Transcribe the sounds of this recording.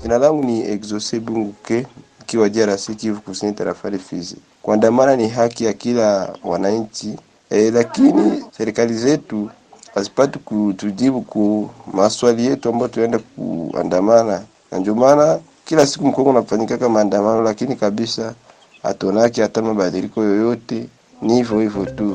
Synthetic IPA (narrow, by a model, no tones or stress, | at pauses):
d͡ʒinalaŋɡuniɛkzɔsɛbuŋɡukɛikiwaʄiaɾasikivukusiɲitaɾafalifizi | kwandamananiɦakijakilawa̰naɲ̩t͡ʃi | ɛlakinisɛɾikalizɛtu | asi̥patikutuʄibukumaswalijɛtuambajɔtuɛndak̚ṵa̰ndamana | na̰ndiɔmana | kilasi̥kum̩kɔŋɡunafaɲikakamaːndamanɔlakinikaɓisa | ha̰tɔnak̬iatamaɓaðilikɔjɔjɔtɛ | nihivɔhivjɔtu